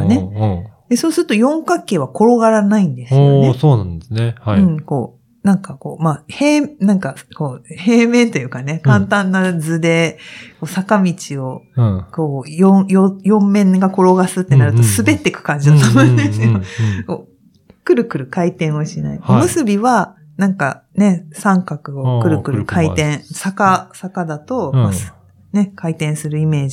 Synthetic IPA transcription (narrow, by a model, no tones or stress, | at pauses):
ned̪̥e̞so̞ːsɨɾɯ̟t̪o̞jõ̞ŋkakːe̞ːβako̞ɾo̞ɡaɾanaĩnd̪e̞sɨkeesoːnãnd̪esɨnehaiɯ̟̃ɴko̞̰ː | nãŋkako̞̰ːmaheːmnãŋkako̞ːhe̞ːmẽ̞nt̪o̞jɯ̟ːkane̞kãnt̪ãnːad͡zɨd̪e̞ko̞ːsakamʲit͡ɕio̞ko̞ːjõjojõ̞mːẽ̞ŋɡako̞ɾo̞ɡasɨt̪ːe̞naɾɯ̟t̪o̞sɨbe̞t̪ːe̞kɯ̟̥kãɲ̟d͡ʑid̪at̪amõnesɨjokoː | kɯ̟ɾɯ̟kɯ̟ɾɯ̟kait̪ẽɰ̃oɕina̰iomɯ̟sɨbʲiβa | nãŋka̰ne̞sãŋkakɯ̟o̞kɯ̟ɾɯ̟kɯ̟ɾɯ̟kʰait̪ẽ̞ɰ̃sakasakad̪at̪o̞mḁ | ne̞kʰait̪ẽ̞ɰ̃sɨɾɯ̟ime̞ːd͡ʑi